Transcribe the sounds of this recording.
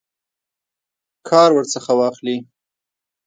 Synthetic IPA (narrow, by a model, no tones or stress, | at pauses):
kʰɑɾwəɾt͡səxawɑxli